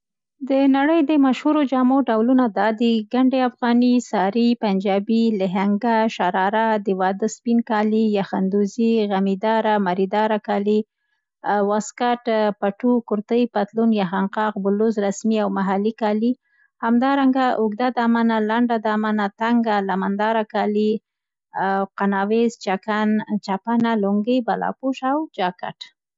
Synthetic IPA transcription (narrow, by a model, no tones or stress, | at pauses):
d̪ənaɽəjd̪əmaʃhuɾod͡ʒɑmoɖawlunad̪ɑd̪iɡaɳɖeafɣɑnisɑɾipand͡ʒɑbilɪɦaŋɡaʃaɾɑɾad̪ɪwɑd̪əspinkɑlijaxand̪uziɣamid̪ɑɾamaɾid̪ɑɾakɑli | waskaʈpaʈukʊɾt̪əjpat̪lunjaxaŋqɑqbʊlʊzɾasmiawmaɦalikɑli | hamd̪ɑɾaŋɡaʔʊɡd̪ad̪ɑmanalaɳɖad̪ɑmanat̪aŋɡalamand̪ɑɾakɑli | qanɑwezt͡ʃakant͡ʃapanalʊŋɡəjbalɑ̰puʃawd͡ʒɑka̰ʈ